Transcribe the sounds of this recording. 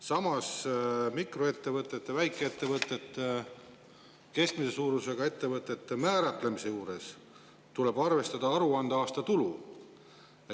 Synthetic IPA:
sɑmɑsmikro̞e̞t̪ːe̞vɤt̪ˑːe̞t̪ːevæjkːˑeet̪ːe̞vɤt̪ːˑe̞t̪ːe | ke̞skmise̞suːɾuse̞ɡ̥ɑe̞t̪ːe̞vɤt̪ːˑe̞t̪ːemæːɾɑt̪ˑle̞mise̞juːɾe̞s | t̪ule̞b̥ɑrve̞st̪ɑd̪̥ɑɑɾuɑnd̪̥eɑːst̪ɑt̪ulṵ

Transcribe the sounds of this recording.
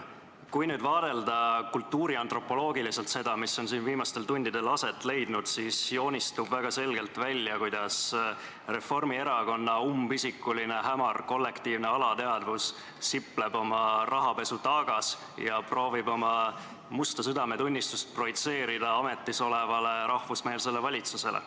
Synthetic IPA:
kujnyːd̪vɑːd̪̥e̞ld̪ɑkult̪ːuːɾiɑnt̪ro̞pːˑo̞lo̞ːɡilise̞lt̪se̞d̪̥ɑmisːo̞nsiːnviːmɑst̪e̞lt̪unʲd̪̥id̪e̞lɑse̞t̪ːˑle̞jd̪̥nud̪̥sisjo̞ːnʲist̪ubvæɡ̥ɑse̞lɡ̥e̞lt̪vælʲːjɑkujd̪̥ɑs | re̞fo̞rmie̞ɾɑko̞nːɑumbisikːuline̞ɦæmɑrko̞lːe̞kt̪iːvne̞ɑlɑt̪e̞ɑd̪̥vusː | ipːˑle̞bo̞mɑrʔɑɦɑpe̞sut̪ɑɡ̥ɑs | jɑpro̞ːvibo̞mɑ | must̪ɑsyd̪ɑme̞t̪unʲːist̪ust̪̚pro̞it̪se̞ːɾid̪̥ɑɑme̞t̪ːiso̞le̞vɑle̞ɾɑhvusmeːlse̞levɑlʲit̪suse̞lḛ

